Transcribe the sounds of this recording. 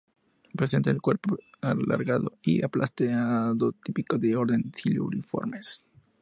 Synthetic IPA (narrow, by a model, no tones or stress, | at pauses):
pɾese̞nt̪aelkwe̞ɾpoala̰ɾɣaðo̞ḭa̰plʔast̪eaðo̞t̪ipikoðeo̞ɾðe̞nθilo̰ṵnifo̞̰ɾmes